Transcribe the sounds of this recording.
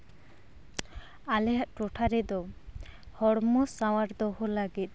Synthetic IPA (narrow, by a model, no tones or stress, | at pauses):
alɛɦaʔʈɔʈʰaɾɛd̪ɔ | hɔɽmɔsawaɾd̪ɔhɔləɡit̪̚ˀ